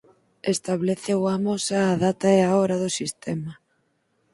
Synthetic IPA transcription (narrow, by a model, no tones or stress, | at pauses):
est̪aβleθewamosaːðat̪aeaɔɾaðosist̪ɛma